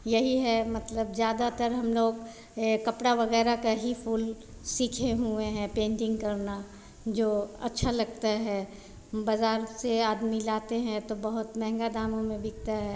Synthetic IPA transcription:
jɐɦiɦɛmɐt̪ləbzjaːd̪at̪əɾɦɐmloːɡ | kɐpɽaʋɐɣɛːɾakaɦipʰuːl | siːkʰeɦueɦɛ̃pẽːɳʈɪ̃ŋɡkɐɾna | d͡ʒoːɐ̰tːʃʰalɐɡt̪aɦɛː | bɐzaːɾseaːd̪milaːt̪eɦɛ̃t̪obɐɦʊt̪mɛɦŋɡad̪aːmõmẽbɪk̚t̪aɦɛː

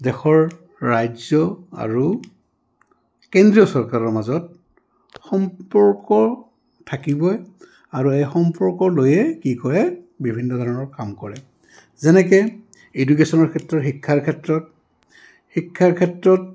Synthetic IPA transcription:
dɛxɔɹː | ajzɔa̰ɹu | kendɹijɔsɔɹkaɹɔɹmazɔt̚ | xɔmpɔɹkɔ | tʰakibɔj | aɹuejxɔmpɔɹkɔlojɛkikɔɹɛ | bibʱinːɔdʱɔɹɔnɔɹkamkɔɹɛ | zɛnɛkɛ | eduk̬esɔnɔɹkʰɛtɹɔxikʰːaɹkʰɛtɹɔt | xikʰːaɹkʰɛtɹɔt

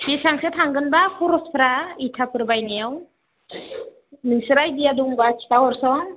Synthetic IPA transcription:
bisaŋsɯt̪ʰaŋɡɯnbakʰɔɾɔspʰɾaitʰapɯɾbajnew | nɯŋsɯɾajdiaduŋbakʰi̥tawɔɾsɔŋ

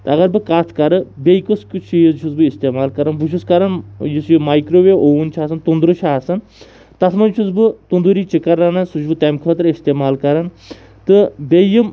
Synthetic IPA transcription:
t̪ɨɐɣɐɾbɨkat̪ʰkɐɾɨbejkuskt͡ʃʰijit͡ʃʰuzbɨist̪eːmaːlkɐɾɐnbuʃʰuskɐɾɐnjisjomaːjkɾoːʋeʔount͡ʃʰaːsɨnt̪und̪ɾut͡ʃʰaːsɐn | t̪ɐsmɐnt͡ʃʰuzbɨt̪und̪uɾiːt͡ʃikɐɾanɐsut͡ʃbɨt̪emkʰʋɐt̪ɾist̪eːmaːlkɐɾɐn | t̪ɨbejim

